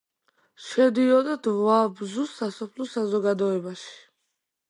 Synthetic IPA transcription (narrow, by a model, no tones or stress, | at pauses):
ʃɛd̪iɔd̪ad̪vabzussasɔpʰlusazɔɡad̪ɔɛbaʃi̥